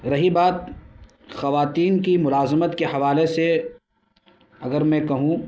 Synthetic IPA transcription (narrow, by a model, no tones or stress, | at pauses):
ɾɐɦibaːt̪̚ | xɐʋaːt̪iːnkimʊlaːzmət̪kehɐʋaːlese | ɐɡəɾmɛ̃kɐɦũ